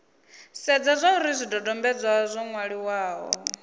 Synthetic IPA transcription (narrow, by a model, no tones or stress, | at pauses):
sɛd͡zazʷauɾizʷidɔdɔmbɛd͡zwazʷɔŋwaɺiwaːɦɔ̰